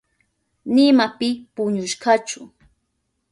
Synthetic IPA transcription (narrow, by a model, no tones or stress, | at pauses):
nɪmapɪpʊɲʊʃɢɑt͡ʃʊ